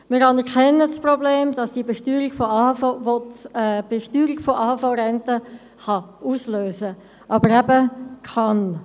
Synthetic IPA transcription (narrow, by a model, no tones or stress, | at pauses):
mɪɾɑnəkʰɛnːəsprobleːmd̥ɑsd̥iəbeʃtyːɾiɡfɔɑvɔtːb̥eʃtyːɾiɡ̥foʔɑːhfaʊɾɛntə | χɑuːsløːsə | ʔɑbəɾæbəkʰɑn